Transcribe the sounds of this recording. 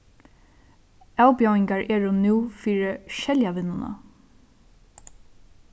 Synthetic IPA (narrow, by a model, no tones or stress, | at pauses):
æwpjawɪŋkaɹʔɛːɹʊnuːfiːɹəʃɛljaʋɪnːʊna̰